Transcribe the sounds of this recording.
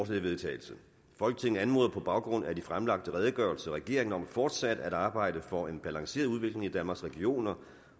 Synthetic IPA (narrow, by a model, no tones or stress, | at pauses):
slɛʋe̝ðˠt͡sʰɛ̰ːɪl̩sə | fɒ̽lɡ̥ət͡sʰe̝ŋn̩ænmo̝ðˠɐpʰɒ̽b̥ɑ̈ʊɡ̥ʁɔ̽n̰æd̥ifʁamlɑ̈ɡ̥̚d̥əʁɛːð̞ˠəɡ̥ɶɐl̩səʁɛɡ̥e̝ɐ̰e̝ŋnɒ̽mfɒːd̥sæd̥æɾ̥ɑ̈ːb̥ɑ̈ɪ̰d̥əfɒ̽e̝nb̥ælɑ̈ŋse̝̰ɐðˠuð̞ˠʋe̝ɡ̥le̝ŋid̥ænmɑ̈sʁɛɡ̥io̝̰ːnɐ